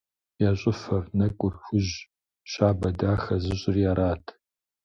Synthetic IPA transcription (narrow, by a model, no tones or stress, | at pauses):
jaɕʷʼʊfɐrnɐkʷʼʊrxʷʊʑ | ɕaːbɐdaːxɐzɪɕʼɪrjaɾaːtʰ